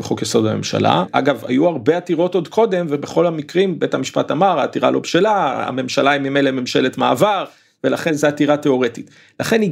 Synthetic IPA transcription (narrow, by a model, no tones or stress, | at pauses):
beχokjeso̞dame̞̰mʃa̰la̰ʔa̰ɡava̰juaʁbe̞at̪iʁo̞to̞d̪kʰo̞d̪e̞mvebe̞χo̞lamikʁimbe̞thamiʃpa̰tamaʁaːt̪iʁa̰lo̞̰bʃelaa̰me̞mʃalaimimelememʃe̞le̞t̪ma̰ːvaʁ | velaχe̞nzeat̪iʁate̞o̞ʁe̞tit | laχe̞ni